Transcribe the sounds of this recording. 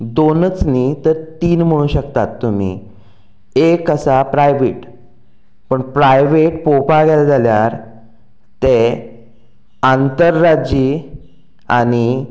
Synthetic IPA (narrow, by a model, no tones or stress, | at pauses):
d̪onət͡sniːt̪əɾt̪iːnm̤əɽ̃ũːɕəkt̪at̪ːum̤ḭ | ekəsapɾajʋiʈ | pəɳpɾajʋeʈpopaɡɛld͡zʱaljaɾ | t̪e | ant̪əɾːad͡ʑiː | aɽ̃i